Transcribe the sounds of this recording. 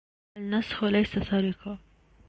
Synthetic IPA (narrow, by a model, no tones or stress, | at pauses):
alnashlajsasaɾɪka